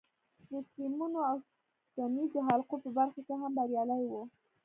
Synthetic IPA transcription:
d̪əsimunoaw | t̪anizd̪əɦalqopəbaɾxakeɦambaɾjɑlajwu

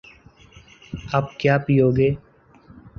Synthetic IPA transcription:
aːpkjaːpiːoːɡeː

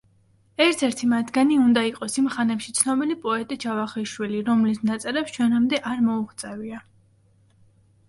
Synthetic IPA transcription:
ɛɾt̪ʰɛɾt̪ʰimat̪ʰɡaniund̪aiqʼɔsimχanɛpʃi̥t̪sʰnɔbilipʼɔɛt̪ʼit͡ʃʰavaχiʃwiliɾɔmlisnat̪sʼɛɾɛpst͡ʃʰwɛnamd̪ɛʔaɾmɔuχt̪sʼɛvia

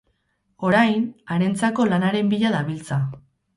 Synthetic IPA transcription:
o̞ɾajnaɾe̞nt͡sako̞lanaɾe̞mbiʎaðaβilt͡sa

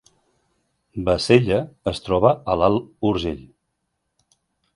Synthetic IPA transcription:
bəseʎəːst̪ɾɔβəəlalˠuɾʒeʎ

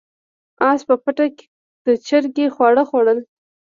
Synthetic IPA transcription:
ɑspəpəʈake̥ | d̪̥ət͡ʃəɾɡexwɑɽəxwaɽəl

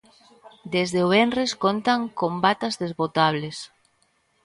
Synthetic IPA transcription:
d̪ezðeoβenreskont̪aŋkombat̪azðezβot̪aβles

